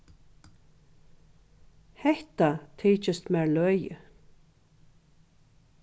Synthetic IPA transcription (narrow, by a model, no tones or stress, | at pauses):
hɛht̪at̪ʰiːt͡ʃɪst̪mɛːɹlœjə̰